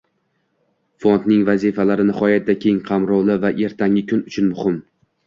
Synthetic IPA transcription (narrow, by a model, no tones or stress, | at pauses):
font̪nɪŋvazifalaɾɪnɪhɒjat̪̚ːakʲʰe̞ŋqʰɑmɾɒwlˠɪvaʔe̞ɾt̪ʰaŋɪkʰʊnʊt͡ʃʰʊnmʊhɪm